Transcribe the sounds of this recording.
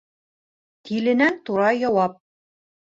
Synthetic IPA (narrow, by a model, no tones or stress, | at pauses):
t̪ʰilɘ̆nænt̪uɾɑjɒwɑp̚